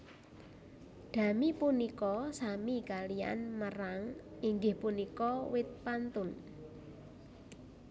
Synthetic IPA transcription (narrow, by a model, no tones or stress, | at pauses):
ɖ̪̥a̤mipunikɔsamiɡalia̰nməraŋiŋɡɪhpunikɔwɪt̪̚pant̪ʊn